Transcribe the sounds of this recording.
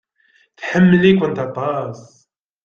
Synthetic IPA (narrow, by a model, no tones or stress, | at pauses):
θħəmːəlikʷːənt̪ɑt̪ˤɑsˤ